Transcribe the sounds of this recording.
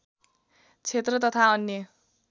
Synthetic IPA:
t͡sʰet̪rʌt̪ʌt̪ʰaʌnːjʌ

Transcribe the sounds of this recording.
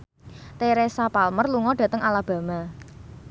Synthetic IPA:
t̪eɾɛsapalmərluŋɔɖ̥ä̤t̪əŋalab̥a̤ma

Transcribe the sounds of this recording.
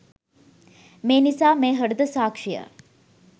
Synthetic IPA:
meːnisaːmeːɦəɖud̪əsaːkʂijə̰

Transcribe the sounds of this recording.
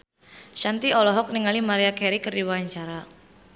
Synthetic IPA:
ʃant̪iɔlɔɦɔk̚niŋalimaɾiakɛɾikərdiwaaɲt͡ʃaɾa

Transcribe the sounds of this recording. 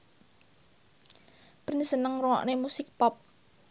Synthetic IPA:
pərnisənəŋrɔŋɔ̰ʔnemusɪk̚pɔp̚

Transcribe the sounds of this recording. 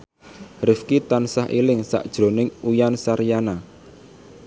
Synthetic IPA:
rɪfkit̪ansaɦʔḭlɪŋsa̰ʔd̥ʒ̥ɾo̤nɪŋujansaɾijana

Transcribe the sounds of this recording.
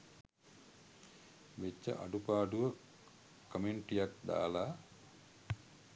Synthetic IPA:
ʋet͡ʃːə̰ʔa̰ɖupaːɖuʋə | kəmeɳʈijak̚d̪a̰ːlaː

